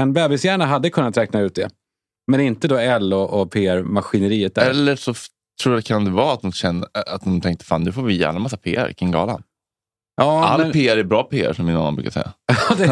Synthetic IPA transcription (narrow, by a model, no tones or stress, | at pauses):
ɛnbɛːbɪsjæːɳaɦad̪ːəkʰɵnːat̪ɾɛːk̚naʉ̟ːt̪̚d̪ɛ | mɛnɪnt̪əd̪oɛlːɔʔɔpʰeːæɾmaɧɪnəɾiːət̪̚d̪ɛlːəʂɔ | t̪ʰɾuːjad̪ɛkʰand̪ɛvɑːat̪̚d̪ɔmɕɛnːəat̪̚d̪ɔmt̪ʰɛŋk̚t̪ə̥fa̰ːnːʉ̟ːfoːɾvɪjæ̰ːɳamas̬ːapʰḛːæ̰ɾkʰɪŋɡɑ̰ːla̰n | jʔɑːalːpʰeːæɾæbɾɑːpʰeːæ̰ʂɔmːɪnanːanbɾʉ̰kasɛ̰jːa̰jɑd̪ɛ